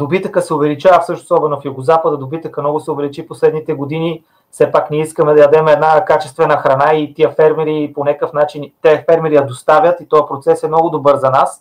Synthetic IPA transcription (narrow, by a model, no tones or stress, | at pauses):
d̪obit̪əkəsɛovɛlit͡ʃafsɤʃnosɔbɛnofjuɡozapəd̪əd̪obit̪əkəmnɔɡʊsɛovɛlit͡ʃiposlɛd̪nit̪ɛɡod̪ini | fsɛpaknɛiskəmɛd̪ɐjɐd̪ɛmɛɛd̪nakat͡ʃɛst̪vɛnəxɾɐnait̪iəfɛɾmɛɾiponʲakəfnat͡ʃint̪ɛəfɛɾmɛɾijɐd̪ost̪avʲjət̪it̪ɔjəpɾot̪sɛsɛmnɔɡʊd̪obɤɾzɐnas